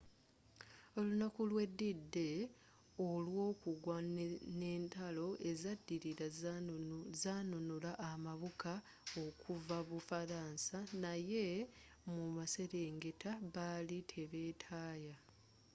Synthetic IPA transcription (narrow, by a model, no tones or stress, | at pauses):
o̞lunakulwe̞dːidːe̞ | o̞lwo̞ːkuɡwanne̞ːntalo̞ʔe̞zadːiɾiɾa | zanunulaʔːmaβuka | o̞kuvaβufaɾaːnsanaje̞ | mumase̞ɾe̞ːŋɡe̞taβalitʰe̞βe̞ːtʰaːja